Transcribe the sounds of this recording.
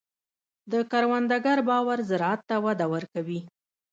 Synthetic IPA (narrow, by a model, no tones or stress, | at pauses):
d̪əkaɾwand̪aɡaɾbɑwaɾzɪɾɑat̪ːawad̪awəɾkawi